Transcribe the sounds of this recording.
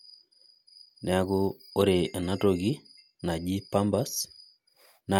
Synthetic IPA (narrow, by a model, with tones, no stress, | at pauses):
nɛ˨a˦ɡʊ˦o˦ɾe˨ʔe˨na˦to˨ɡi˦ | na˨d͡ʒi˦pa˦mba˦s | na˨